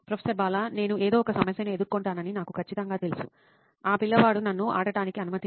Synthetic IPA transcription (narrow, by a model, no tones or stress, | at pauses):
pɾɐpʰesɐɾbaːlaːne̞ːnuʔeːd̪o̞ːɔkɐsɐmɐsjɐnɐed̪uɾkːoɳʈaːnɐninaːkukʰɐt͡ʃːit̪ɐŋɡaːt̪e̞lusṵ | aːpilːɐʋaːɽunɐnːuʔa̰ːɽɐɽaːnikiɐnumɐt̪i